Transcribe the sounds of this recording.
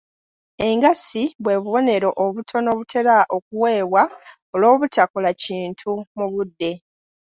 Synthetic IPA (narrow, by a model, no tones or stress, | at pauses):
e̞ŋɡasiβwe̞ːβuβo̞ne̞ɾo̞ʔoβutʰo̞no̞ːβutʰe̞ɾaʔo̞k̚uwe̞ːβwa | olo̞ːβutakolaciːntʰumuβudːe̞